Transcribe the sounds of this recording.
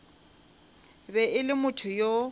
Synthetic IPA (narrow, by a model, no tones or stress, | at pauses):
bɛʔɪlɪmʊtʰʊjo